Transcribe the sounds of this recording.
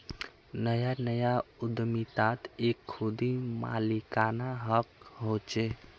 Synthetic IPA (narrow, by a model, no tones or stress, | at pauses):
nəjanəjaud̪mit̪at̪ekʰːud̪ima̰likanaɦəkɦot͡ʃe